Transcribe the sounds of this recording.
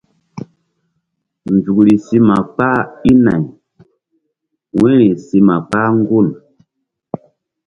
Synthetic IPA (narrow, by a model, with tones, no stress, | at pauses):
n˨d͡ʒu˨kli˨si˦ma˨k͡pa˦i˦na̰˨ɲ | wɛ̃˦ɾi˨si˧ma˨k͡pa˦ŋ˦ɡu˦˨n